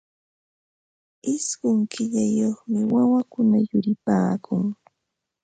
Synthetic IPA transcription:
ɪsɢʊŋkʰɪʎajoχmɪwawakʊnajʊɾɪpaːkʰʊŋ

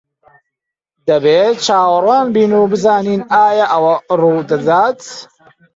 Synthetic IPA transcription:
d̪ɐbeːt͡ʃʰaːwraːnbiːnuːbɨzaːniːnaːjɐʔɐwɐruːd̪ɐd̪aːt̪

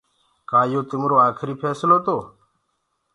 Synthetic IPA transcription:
kaːjoːt̪ɪmɾoːaːkʰɾiːpʰeːsɪloːt̪oː

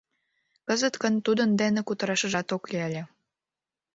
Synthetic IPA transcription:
kəzət̪kənt̪ud̪ənd̪enĕkut̪ə̆ɾɑʃə̆ʒɑt̪oklʲielʲĕ

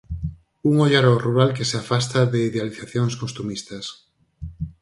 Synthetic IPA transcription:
uŋoʎaɾoruɾalkeseafast̪aðeiðealiθaθjoŋskost̪umist̪ɐs

